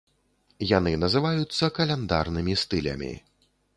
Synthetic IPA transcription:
janɨnɐzɨvajut̪sːɐkɐlʲɛnd̪a̰rnɨmʲist̪ɨlʲɐ̰mʲḭ

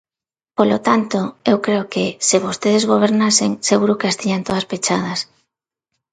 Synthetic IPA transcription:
polot̪ant̪oewkɾeokɪsɪβost̪eðezɣ̞oβ̞eɾnaseŋseɣuɾʊkeast̪iɲant̪oðɐspet͡ʃað̞ɐs

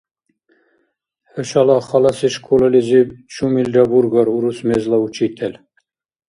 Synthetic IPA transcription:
høʃɑlɑχɑlɑsiʃkʰulɑlizibt͡ʃʰumilʲɾɑbuɾɡɔɾuɾusmezlˠɑut͡ʃʰit̪ʰɛl

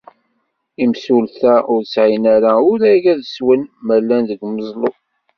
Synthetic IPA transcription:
imsulθæʔʊɾsʕinaɾaʊɾæɡæðəswənmælːænðəɡməzˤlˤo

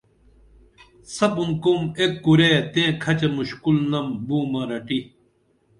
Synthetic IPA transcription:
sɐpunkumekːuɾet̪ẽːkʰɐt͡ɕɐmuɕkulnɐmbuːmɐɾɐʈi

